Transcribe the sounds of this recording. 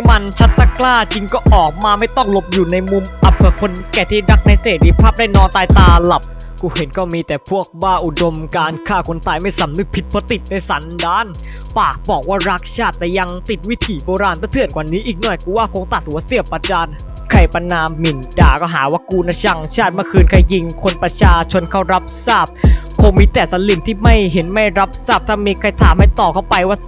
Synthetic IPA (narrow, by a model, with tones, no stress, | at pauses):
ma˧nt͡ɕʰa˦˥t̪ːa˧˩klaː˥˩t͡ɕi˧ŋkɔː˥˩ʔɔː˨˩k̚maː˧ma˥˩jt̪ɔ˥˩ŋlo˧˥p̚juː˨˩na˧jmu˧mʔa˨˩p̚ʰːɯ˧˩kʰo˧nkɛː˨˩t̪ʰiː˥˩da˦˥k̚na˧jseː˨˩t̪̚i˧pʰaː˥˩p̚daː˥˩nɔː˧nt̪aː˧jt̪aː˧la˨˩p̚ | kuː˧˩he˨˩˦nkɔː˥˩miː˧t̪ɛː˨˩pʰu˥˩ək̚baː˥˩ʔu˨˩do˧mkaː˧nkʰaː˥˩kʰo˧nt̪aː˧jma˥˩jsa˨˦mnɯ˨˩k̚pʰi˧˦t̪̚pʰɔː˧˦t̪i˨˩t̪̚na˧jsa˨˩˦ndaː˧˥˨n | paː˨˩k̚bɔː˨˩k̚waː˥˩ɾa˦˥˩k̚t͡ɕʰaː˥˩t̪ːɛː˨˩ja˧ŋt̪i˨˩t̪̚wi˦˥t̪ʰiː˨˦boː˧ɾaː˧nt̪ʰaː˧˩t̪ʰənkwa˨niː˦˥ʔiː˨˩k̚nɔ˨˩jkuː˧˦waː˥˩kʰo˧ŋt̪a˨˩t̪̚ʔu˧˦a˧˥si˧˩əp̚ːa˧t͡ɕaː˧n | kʰa˧˩jpa˧naː˧mːi˨˩ndaː˨˩kɔː˥˩ɦaː˩˦waː˦˧˥kuː˧nːa˧˩t͡ɕʰa˧˩ŋt͡ɕʰaː˥˩t̪̚maː˧˥˩kʰɯː˧nkʰa˧˩jːi˧ŋkʰo˧npɾa˧t͡ɕʰaː˧t͡ɕʰo˧nkʰa˥˩wɾa˦˥p̚saː˥˩p̚ | kʰo˧ŋmiː˧t̪ɛː˨˩sa˨˦li˨˧˩nt̪ʰiː˥˩ma˥˩jɦe˩˦nma˥˩jɾa˦˥p̚saː˥˩p̚t̪ʰaː˥˩miː˧kʰa˧˩jt̪ʰaː˨˦mha˥˩jt̪ɔː˨˩kʰa˥˩wpa˧jwaː˥˩